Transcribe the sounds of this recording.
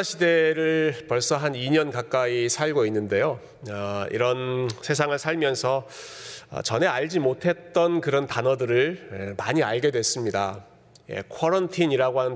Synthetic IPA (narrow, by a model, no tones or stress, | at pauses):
ɕʰide̞ɾɯɭpʌɭs͈ʌɦaniɲʌnkak͈aisʰaɭɡoinːɯnde̞jo | ʌḭɾʌnsʰe̞sʰaŋɯɭsʰaɭmjʌnsʰʌ | ʌ̰t͡ɕʌne̞aʎd͡ʑimotʰe̞t̚t͈ʌnkɯɾʌntanʌdɯɾɯɭemaɲiaɭɡe̞dwe̞s͈ɯmɲida | je̞̰kʰʌɾʌntʰiɲiɾaɡoɦanɯn